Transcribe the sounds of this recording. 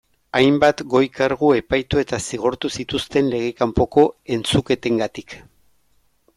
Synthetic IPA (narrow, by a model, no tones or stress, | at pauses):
ajmbat̪ɡo̞jkaɾɣ̞ue̞pajt̪ue̞t̪asiɣ̞oɾt̪usit̪ust̪e̞nle̞ɣ̞e̞kampo̞ko̞e̞nt͡suke̞t̪e̞ŋɡat̪ik